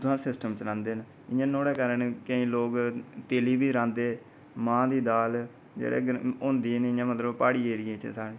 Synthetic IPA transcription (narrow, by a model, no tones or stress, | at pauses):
t̪ʊsãːsɪsʈəmt͡ʃəɾãːnd̪eːn | ɪ̃jãːnoːɽɛːkəɾənkəĩːloːkʈeːliːbiːɾãːnd̪eː | mãːd̪iːd̪aːl | d͡ʒḛːɽḛːɡõːnd̪iːneɪãːmət̪ləbpaːɽiːeːɾɪẽːt͡ʃḛsaːɽiː